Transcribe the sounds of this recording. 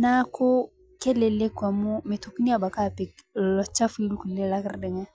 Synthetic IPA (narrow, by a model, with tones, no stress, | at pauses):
na˦ko˦ | ke˦le˨le˦kwa˨mu˦me˨to˨kni˦a˦ba˨ka˦˨pi˨klɔ˨t͡ʃa˦fi˦lu˦ku˨le˦la˦kɪ˦ɾdɪ˨ŋɛ˦